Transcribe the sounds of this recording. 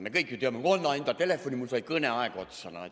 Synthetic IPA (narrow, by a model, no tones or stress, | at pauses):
mekɤikjot̪yømːekonːɑint̪ɑt̪elefːonʲimulsolʲikɤneɑekot̪sɑnɑ̰ḛt̪